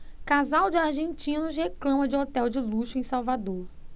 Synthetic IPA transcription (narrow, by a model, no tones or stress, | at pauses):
kazawd͡ʒɪaɾʒẽnt͡ʃĩnʊʃ̬heklɐ̃mɐd͡ʒɪot̪ɛwd͡ʒɪluʃʊẽj̃sawvad̪oɾ